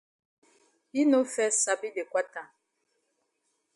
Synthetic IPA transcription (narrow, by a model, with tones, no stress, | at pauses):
i˦no˦fɛ˦sa˨bi˦be˨kwa˦ta˨